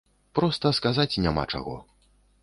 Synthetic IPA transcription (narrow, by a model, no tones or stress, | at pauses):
pɾɔst̪ɐskazat͡sʲnʲama̰t͡ʂa̰ɣɔ̰